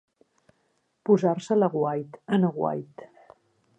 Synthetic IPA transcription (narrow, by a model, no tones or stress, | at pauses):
puzarsələɣwajt̪ənəɣwa̰jt̪